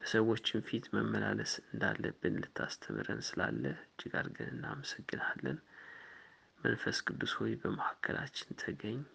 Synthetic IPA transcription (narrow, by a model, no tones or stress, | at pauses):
b̥əsəwːo̞t͡ʃːɪnfit̪məmːəlaləsɨnd̪alːəbːɨnlɨt̪ʰːast̪ʰəmɨɾənsɨlalːəhɨd͡ʒːiɡaɾɡɨnɨnːaməsəɡːɨnalːən | mənfəskʰʼɨd̪ːushojbəməhakʰːəlʔat͡ʃːɪnt̪ʰəɡəɲː